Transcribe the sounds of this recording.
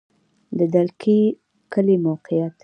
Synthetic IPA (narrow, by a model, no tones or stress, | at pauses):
d̪əd̪alkʰi | kəlimawqijat̪